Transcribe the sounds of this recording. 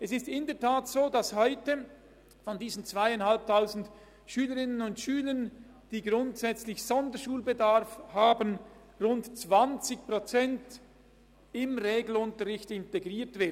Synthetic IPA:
ʔɛsɪstɪndəɐtʰaːtsoːdashɔʏtə | fɔndiːzn̩t͡sv̥aɪaɪnhalp̚tʰaʊzn̩d | ʃyːləʁɪnənʊntʃyːlən | d̥iːɡʁʊntsɛt͡slɪçz̥ɔndəʃuːlbedaʁfhaːbən | ʁʊntt͡sv̥ant͡sɪçpʁot͡sɛnt | ɪmʁeːɡl̩ʊntəʁɪçtɪnteɡʁiːtv̥ɪ

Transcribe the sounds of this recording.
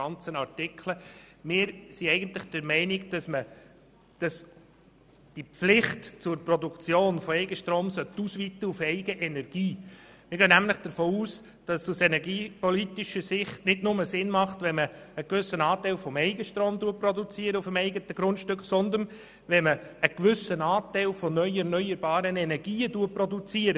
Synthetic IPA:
ɑnt͡sənɑrtɪkʰləmɪːɾsiɛɪɡənt̪lɪχd̥əɾmɛɪnɪkd̥ɑsmə | d̥ɑs | d̥iflɪχtt͡sʊɾprɔdukt͡sjoːnfɔɛɪɡəʃtɾoːmsœt̪ːusʋit̪əufɛɪɡəʔɛnɛɾɡ̥iːmɪɾɡœnæmləχd̥əɾfoːuːs | d̥ɑsusɛnɛɡiːpɔlit̪iʃəɾsɪχtnɪdnʊməsɪnmɑχtʋɛnməːkvʏsənɑːtɛɪlfɔmɛɪɡəʃtɾoːmduːprɔdut͡siəɾəufəmɛɪɡətəɡ̥ɾʊntʃtʏkχsɔnd̪ən | ʋɛnməːkʋʏsənɑːtɛɪlfɔnœʏɛɾnœʏəɾbɑːɾənɛnɛɾɡiːəduːəprɔdut͡siəɾə

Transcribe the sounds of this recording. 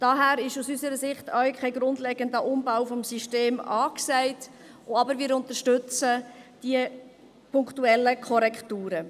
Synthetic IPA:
d̥ɑɦæːɾɪʃusysəɾəsɪχtʰœɥkʰχɛɪɡɾʊndlɛɡəndəʔʊmbawfɔmsiʃteːmɑːksɛɪt | oɑbəɾʋɪːɾʊntəɾʃtʏt͡səd̥iə | pʰʊŋktuɛlːəkʰɔɾɛkʰtuːɾə

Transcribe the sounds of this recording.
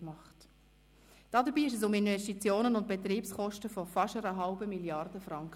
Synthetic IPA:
mɑχt | d̥ɑːdəbiːɪʃ̬ɛsʊmɪnvɛstit͡sjoːnənʊnt̚b̥ɛtɾiːpskɔʃtəfɔfɑʃəɾəɦɑlbəmiljɑrd̥əfɾɑŋkə

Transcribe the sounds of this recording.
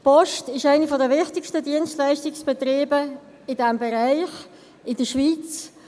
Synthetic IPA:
pɔʃtɪʃaɪnəfɔdəvɪχtɪkʃtədiənstlaɪstɪksb̥ɛtɾeːbə | ɪdɛmbeɾaɪχ | ɪd̥əʃviːt͡s

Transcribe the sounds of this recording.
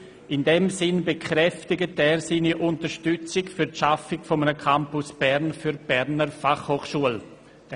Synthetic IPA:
ʔɪndɛmsɪnbekʰɾɛftɪɡətɛːɾsiːniʔʊntəɾʃtʏt͡sɪkfyɾtʃafɪkfɔmənəkʰampʊsb̥ɛɾnfyɾb̥ɛɾnəɾfaχhoːχʃuəl

